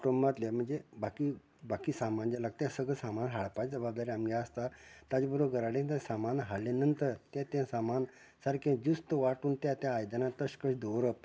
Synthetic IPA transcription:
kɾəmbat̪lam̤əɳd͡zebaki | bakiːsamand͡ʑalaɡ̚t̪jãsəɡəsamanɦaɭpajt͡səbabd̪aɾiamiəst̪at̪ad͡ʑbəɾoɡəɾaɽẽt̪ãsamanɦaɭlːenənt̪əɾt̪jãt̪jãsaman | saɾkʰẽd͡ʑust̪əʋaʈuːnt̪jãt̪jãːjd̪anat̪əɕkəʂd̪oɾəp

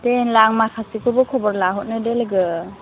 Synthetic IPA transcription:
tenlaŋmakʰasikʰɯbɯkʰɔbɔɾlaɦɔt̚nɯdelɡɯ

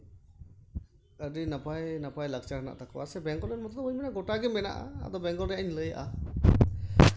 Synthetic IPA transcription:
əɾinapajnapajlək̚t͡ʃana̰ʔt̪akwa̰sɛbɛŋɡɔlɛnmɔt̪ɔt̪ɔbəɲmɛnaʔɡɔʈaɡɛmɛna̰ʔa̰a̰d̪ɔbɛŋɡɔlɾjaʔɲləja̰ʔa

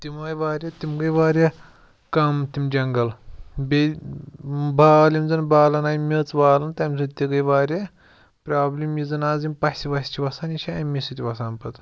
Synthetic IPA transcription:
t̪imɐːjʋaːɾʲjɐt̪imɡɐjʋaːɾʲjɐ | kɐmt̪imd͡ʒɐŋɡɐlbʲe | baːlimzɐnbaːlɐnaːjmʲɐːt͡sbaːlɐnt̪ɐmʲzʰɨt̪iɡɐjʋaːɾʲjɐ | pɾaːblʲimjizɨnaːzimpɐsʲsʲiʋɐsʲt͡ʃʰiʋɐsaːniʃʰaɐmisɨt̪ʲiʋɐsaːnpɐt̪

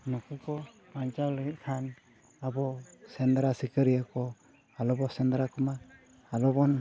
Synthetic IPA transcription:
nɔkukɔ | paɲt͡ʃawləɡit̚kʰan | abɔsɛnd̪ɾasikəɾijakɔ | alɔbɔsɛnd̪ɾakɔmaː | lɔbɔn

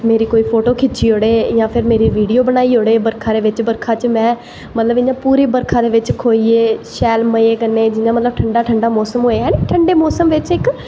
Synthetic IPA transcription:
meːɾiːkoːiːpʰoːʈoːkʰɪt͡ʃʰiːɦoːɽeːjãːpʰɪɾmeːɾiːʋiːɖijoːbənaːiːɦoːɽeːbəɾkʰãːd̪eːʋɪt͡ʃbəɾkʰãːt͡ʃmɛ̃ː | mət̪ləbɪɲãːpuːɾeːbəɾkʰãːd̪eːʋɪt͡ʃkʰoːiːeːʃɛːlməeːkənːeːd͡ʒɪɲãːmət̪ləb̚ʈʰəɳɖaːʈʰəɳɖaːmɔːsəmɦoːeɦɛ̃ːneʈʰəɳɖeːmɔːsəmʋɪt͡ʃɪk

